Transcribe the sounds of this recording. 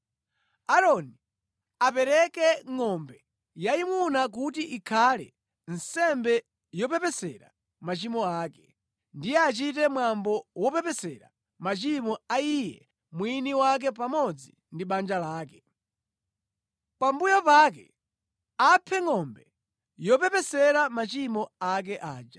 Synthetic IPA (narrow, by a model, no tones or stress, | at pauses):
aɾɔni | apɛɾɛkɛŋɔmbɛ | jaimunak̬utiʔikʰalɛ̰ | n̩sɛmbɛ | jɔpɛpɛsɛɾa̰ | mat͡ʃimɔaːkɛ̥ | ndijɛat͡ʃitɛmwambɔwɔpɛpɛsɛɾa̰ | mat͡ʃimɔaijɛ | mwiniwak̬ɛpamɔd͡zi | ndiɓand͡ʒalaːkɛ | pambujɔpak̬ɛ | apʰɛŋɔmbɛ | jɔpɛpɛsɛɾamat͡ʃimɔak̬ɛʔaːd͡ʒa